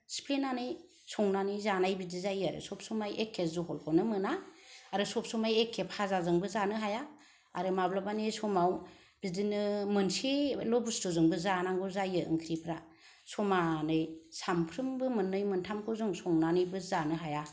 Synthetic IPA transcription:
spʰlenanɯj | sɔŋnanɯjzanajbidizajɯaɾɯ̰sɔp̚sumajʔekʰːeszuɦɔlkʰɔnɯmɯnaːɾɯsɔp̚sumajekʰːephazazɯŋbɯzanɯɦaja | aɾɯmablabanesɔmaw | b̥idinɯmɯnselɔbusdɔzɯŋbɯzanaŋɡɔzajɯʔɯ̰ŋkʰɾipʰɾa | sɔmanɯjsampʰɾɯmbɯmɯnːɯjmɯntʰamkʰowzɯŋsɔŋnanɯjbɯzanɯɦaja

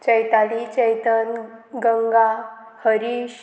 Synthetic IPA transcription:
t͡ɕəjt̪alit͡ɕəjt̪ənɡəŋɡa | həɾiɕ

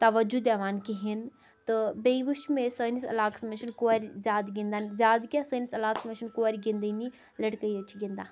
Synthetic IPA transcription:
t̪ɐʋɐd͡ʒud̪eːʋaːnkiɦin | t̪ɨbeiʋuʃmẽsəːnisɐ̰laːksmeʃənkoːɐɾʲzʲjaːd̪ɡĩnd̪aːnzjaːd̪kʲjasəːnisɐlaːksmeʃənkoːɐɾʲɡĩnd̪əni | lɐʈkəiət͡ʃʰɡĩnd̪aː

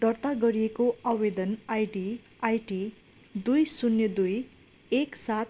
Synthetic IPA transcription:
d̪̥ʌrt̪aɡʌɾiekoʌwed̪ʌnajɖi | ajʈi | d̪ujsunjʌd̪uj | eksat̪

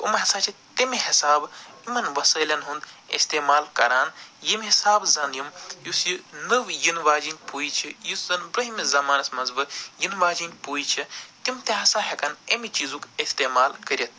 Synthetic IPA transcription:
ṵmɐɦɐsaːt͡ʃʰit̪imiɦisaːbimɐnʋɐsəːlʲɐnɦund̪ḛst̪eːmaːlkɐɾaːnjimʲɦisaːbzɐnjɐmjusjinɨʋjinʋaːd͡ʒinʲpuːjit͡ʃʰijuszɐnbɾɐɦimizɐmaːnɐsmɐzbɨjinʋaːd͡ʒinʲpuːjit͡ʃʰit̪imt̪ʲeɦɐsãɦʲekɐnemit͡ʃizukest̪eːmaːlkɐɾʲɐt̪̚ʰ

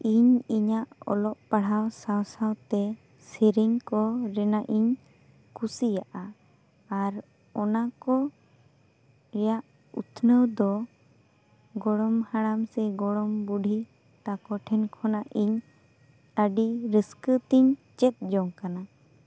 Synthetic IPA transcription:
iɲiɲaʔɔ̰lɔʔpaɽ̤awsawsawt̪ɛ | siɾiŋkɔɾɛnaʔiɲ | kusijaʔaː | ɾ | ɔnakɔ | ɾɛjaʔ | ṵt̪ʰnəwd̪ɔ | ɡɔɽɔmhaɽamsɛɡɔɽɔmbuɖʱi | t̪akɔʈʰɛnkʰɔnaʔiɲ | əɖiɾiskət̪iɲt͡ʃɛt̪̚d͡ʒɔŋkana

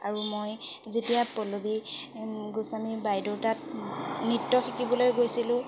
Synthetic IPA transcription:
aɹumoj | zetijapɔlobi | ɡusamibajdowtat̚nitːɔxikibɔlojɡojsilʊ̃

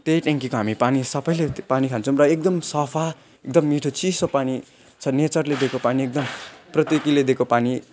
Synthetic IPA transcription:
t̪ejʈeŋkikoɦamipanisʌbʌjlepanikʰant͡sʰʌw̃rʌek̚d̪ʌmsʌpʰa | ek̚d̪ʌmːiʈʰot͡sisopani | t͡sʰʌnet͡sʌrled̪ekopaniek̚d̪ʌmprʌt̪ikiled̪ekopani

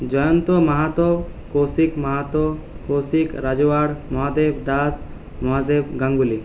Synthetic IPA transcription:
d͡ʒɔjɔnt̪ɔmɐɦat̪ɔ | kosikmɐɦat̪ɔ | kosikɾad͡ʒɔwaɽmɔɦad̪ebd̪as | mɔɦad̪ebɡãŋɡuli

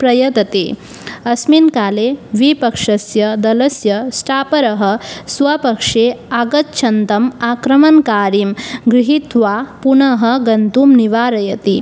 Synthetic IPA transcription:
pɾɐjɐt̪ɐt̪ḛː | ɐsminkaːleːʋipɐkʂɐsjɐd̪ɐlɐsjɐsʈaːpɐɾɐɦɐ̆sʋapɐkʂeːaːɡɐt̪̚t͡ʃʰɐnt̪ɐmaːkɾɐmɐŋkaːɾimɡɾiɦit̪ʋaːpunɐɦɐɡɐnt̪uːmniʋaːɾɐjɐt̪i

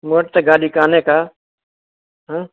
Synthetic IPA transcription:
moːʈ̚t̪eːɡaːɗiːkaːneːkaː | ɦãː

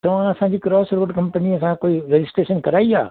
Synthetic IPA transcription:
t̪ɐʋ̤ãɐsãd͡ʑiːkɾɔːsɾoːɖkɐ̃mpəniɐsãkoːiɾed͡ʑɪsʈɾeːʃənkɐɾaːia̰ː

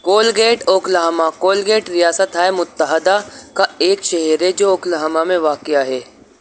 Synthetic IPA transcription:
koːlɡeːʈoːklaɦmakoːlɡeːʈɾijaːsət̪ɦaːemʊt̪ːəɦəd̪akaeːkʃɐɦɛɾɦɛd͡ʒoːoːkləɦmamẽʋaːkɪjaɦɛː

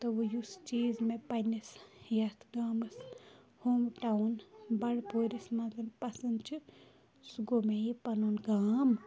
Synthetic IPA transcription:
t̪ɐʋojust͡ʃiːzmẽpɐnʲisjɐt̪ʰɡaːmɐs | hoːmʈaunbɐɽpʰoːɾʲismɐzɐnpɐsɐnd̪t͡ʃʰu | suɡomejipɐnoːnɡaːm

